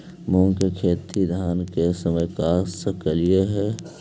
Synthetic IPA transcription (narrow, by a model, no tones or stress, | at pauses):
mõŋkekʰeːt̪id̪ʱaːnkesəməjkaːsəkəlijeɦɛː